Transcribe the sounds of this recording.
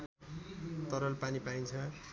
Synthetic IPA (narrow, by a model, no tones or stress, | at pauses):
t̪ʌɾʌlpanipaint͡sʰʌ